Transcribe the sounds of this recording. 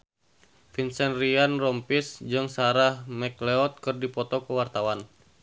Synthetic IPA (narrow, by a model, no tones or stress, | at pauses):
finsɛnrianrɔmpisd͡ʒɨŋsaɾahmɛklɛɔt̪̚kɨrdipɔt̪ɔkuwart̪awan